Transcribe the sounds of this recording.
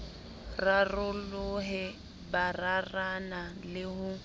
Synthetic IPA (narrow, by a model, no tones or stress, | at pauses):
rarʊlʊɦɛ | bararanalɪɦʊ